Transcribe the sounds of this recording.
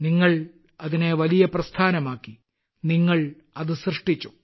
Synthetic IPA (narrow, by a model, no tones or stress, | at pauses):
niŋːɐɭ | ɐðine̞ʋɐlijɐprɐst̪ʰaːnɐmaːkːi | niŋːɐɭ | ɐðɨsrɨʂʈit͡ɕːu